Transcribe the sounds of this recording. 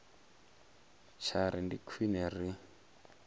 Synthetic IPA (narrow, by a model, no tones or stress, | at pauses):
t͡ʃʰaɾindikʰwinɛri